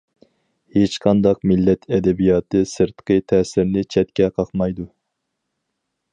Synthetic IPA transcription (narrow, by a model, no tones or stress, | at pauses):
het͡ʃqʰɑnd̪ɑqmɪlːɛt̪ʰɛd̪ɛbijɑːt̪ɨsɨɾt̪qʰət̪ʰɛːsɪɾnɪt͡ʃʰɛt̪̚kʲɛqʰɑχmɑjd̪u